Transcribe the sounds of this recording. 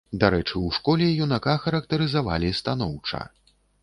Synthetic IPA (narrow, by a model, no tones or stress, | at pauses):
d̪aɾɛt͡ʂɨwʂkɔlʲɛjunakaxɐɾɐkt̪ɐɾɨzava̰lʲist̪an̪ɔwt͡ʂɐ̰